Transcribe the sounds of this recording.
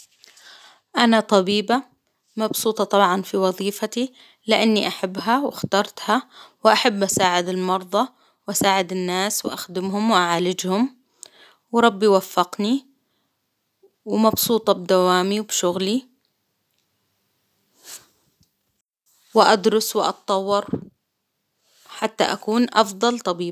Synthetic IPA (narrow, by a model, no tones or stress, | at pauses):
ʔanat̪ˤɑbiːba | mɑbsuːt̪ˤɑt̪ˤɑbʕɑnfiwɑðˤiːfat̪i | lɪʔanːiʔaħabːɦawɪxt̪ɑɾˤt̪hawʔaħabːʔasaːʕɪd̪ɪlmɑɾˤðˤɑ | wʔasaːʕɪd̪ɪnːaːswʔaxd̪ɪmɦʊmwʔaʕaːlɪd͡ʒhʊm | wɾˤɑbːiwafːɪqni | wmɑbsuːt̪ˤɑbd̪awaːmiwbʃʊɣli | wɪʔad̪ɾʊswɪʔɑ̰t̪t̪ˤːɑwːɑɾˤ | ħat̪ːa̰ʔakuːnʔɑfd̪ˤɑlt̪ˤɑbiː